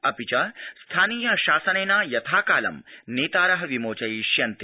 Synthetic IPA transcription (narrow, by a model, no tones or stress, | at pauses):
ɐpit͡ʃɐst̪ʰaːniːjɐʃaːsɐneːnaːjɐt̪ʰaːkaːlɐ̰mneːt̪aːɾɐɦɐʋimoːt͡ʃɐjiʃjɐnt̪i